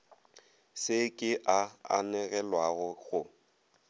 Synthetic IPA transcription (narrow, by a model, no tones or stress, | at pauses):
sɪkʼɪʔaa̰nɛɣɛlwaɣʊɣʊ